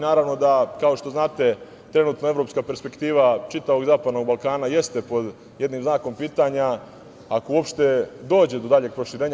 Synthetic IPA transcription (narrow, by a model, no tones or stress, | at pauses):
naːɾaʋno̞d̪akao̞ʃt̪o̞znaːt̪e̞ | t̪ɾe̞nuːt̪noe̞vɾo̞pskaːpeɾspe̞kt̪iːʋat͡ʃit̪aʋo̞ɡzaːpad̪no̞ɡbalkaːnaje̞st̪e̞po̞d̪ | je̞d̪niːmznaːko̞mpiːt̪aɲa | akouopʃt̪e̞d̪o̞ːd͡ʑe̞d̪o̞d̪aʎeɡ̚pɾo̞ʃiɾeːɲa